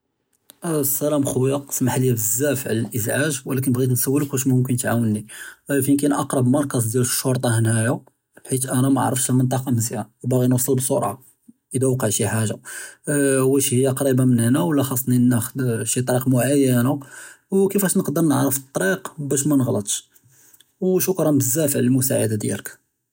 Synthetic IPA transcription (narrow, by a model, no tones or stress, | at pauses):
sːælæmxʊwjɑqsmaħljæbəzːæfʕlælʔəzʕaʒwəlæk̬ənbɣit̪nsæwːələkwæʃmʊmkənt̪ʕawənːifinkænʔɑqɾˤɑbmɑɾˤkɑzˤd̪jæləʃːoɾˤt̪ˤɑhənhæja | lħit̪ʔænæmæʔʕɾˤəfʃhəlmənt̪ˤɑqɑmzjawbæɣinusˤəlbsˤuɾˤʕɑ̰ | ʔəd̪æwqəʕʃiħaʒa | wæʃihəjːaqɑɾˤibamənænæwəlːæxɑsˤːninːæxəd̪ʃit̪ˤɑɾiqmʊʕajːənawkəfæʃnəqd̪əɾˤnəʕɾəfət̪ˤːɑɾiqbæʃ̬mænəɣlət̪ˤʃ | wʃʊkɾˤɑnbəzːæfəʕləlmʊsaʕa̰d̪ad̪jæ̰lək